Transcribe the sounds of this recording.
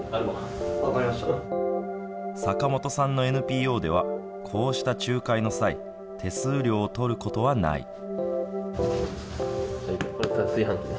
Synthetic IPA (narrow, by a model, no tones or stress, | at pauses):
aɾɯba | akaɾimaɕt̪a | sakamo̞t̪o̞sãnːo̞e̞nɯ̟pʲiːo̞ːd̪e̞β̞a̰ | kʰo̞ːɕi̥t̪at͡ɕɨːkaino̞saḭ | t̪ʰe̞sɨːɾʲo̞ːt̪o̞ɾɯ̟ko̞t̪o̞βana̰ḭ | hakoɾet̪asiɦãŋʲi